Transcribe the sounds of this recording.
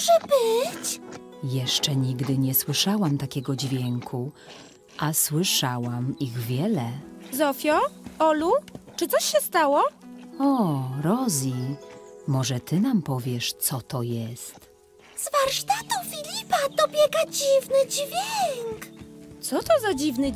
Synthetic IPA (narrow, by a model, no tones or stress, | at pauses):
ʐɛbɘt͡ɕ | jɛʂt͡ʂɛɲiɡd̪ɘɲɛswɘʂawamt̪akʲɛɡɔd͡ʑvʲjɛŋkʰu | ʔaswɘʂawamiɣvʲjɛlɛzɔfʲjɔɔlut͡ʂɘt̪sɔɕɕːɛst̪awɔɔɾɔzʲi | mɔʐɛt̪ɘnampɔvʲjɛʂt̪sɔt̪ɔjɛst̪ | z̥vaɾʂt̪at̪ufʲilʲipad̪ɔbʲjɛɡad͡ʑivnɘd͡ʑvʲjɛŋkt̪sɔt̪ɔzad͡ʑivnɘ